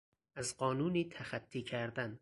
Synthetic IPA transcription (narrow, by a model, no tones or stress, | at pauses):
ʔæzɢɒːnuːniːt̪ʰæxæt̪ʰːiːkʰæɾd̪æn